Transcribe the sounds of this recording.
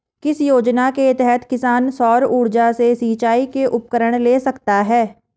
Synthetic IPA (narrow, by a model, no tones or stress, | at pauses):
kɪsjoːd͡ʒnakeɪt̪ɛɦɛt̪ʰkɪsaːnsɔːɾuːɽd͡ʒasesiːt͡ʃaːikeʔʊp̚kəɾəɽ̃leːsɐkt̪aɦɛː